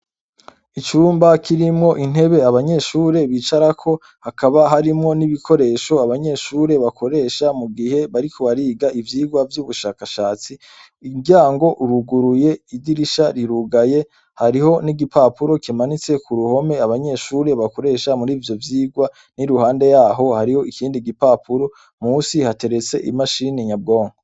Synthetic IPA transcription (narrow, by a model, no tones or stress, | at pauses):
it͡ʃuːmbakʰiɾimŋo̞ʔin̥he̞βe̞aβaɲe̞ʃuːɾe̞βiːt͡ʃaɾakʰo̞ | hakaβaɦaɾimŋo̞niβikʰo̞ɾe̞ːʃo̞aβaɲe̞ʃuːɾe̞βako̞ɾe̞ːʃamuɡihe̞βaɾikʰoβaɾiːɡaivjiːɡwavjuːβuʃakaʃaːt͡siː | ɡjaːŋɡo̞ʔuɾuɡuɾuje̞iɟiɾiʃaɾiɾuɡaje̞ | haɾiho̞niɡipapuɾo̞kimanit͡se̞kuɾuho̞me̞aβaɲe̞ʃuːɾe̞βako̞ɾe̞ʃamuɾiːvjo̞vjiːɡwa | niɾuhaːnde̞jaːɦo̞haɾiho̞ikiːndiɡipaːpʰuɾo̞ | musihate̞ɾe̞t͡se̞ʔḭmaʃineɲab̚ɡo̞ːŋɡoo